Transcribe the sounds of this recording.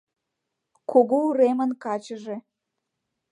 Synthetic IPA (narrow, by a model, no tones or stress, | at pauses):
kʰoɣuuɾemə̆nkɑt͡ɕəʒe